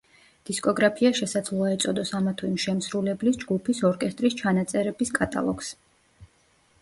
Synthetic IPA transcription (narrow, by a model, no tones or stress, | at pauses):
d̪̥iskʼɔɡɾapʰiaʃɛsad̪zlˠuaɛt̪sʼɔd̪ɔsamat̪ʰuimʃɛmsɾulɛblisd͡ʒɡupʰisɔɾkʼɛst̪ʼɾist͡ʃʰanat̪sʼɛɾɛbiskʼat̪ʼa̰lˠɔks